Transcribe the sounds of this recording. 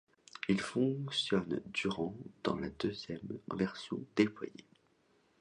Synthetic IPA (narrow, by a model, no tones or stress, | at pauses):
ilfɔ̃kksjɔnd̪yʁɑ̃d̪̥ɑ̰̃lad̪øzjɛmvɛʁsjɔ̰̃d̪eplwa̰jḛ